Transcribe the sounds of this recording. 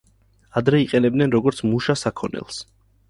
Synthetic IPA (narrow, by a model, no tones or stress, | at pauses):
ad̪ɾɛiqʼɛnɛb̚d̪nɛnɾɔɡɔɾt̪sʰmuʃasakʰɔnɛ̰lˠs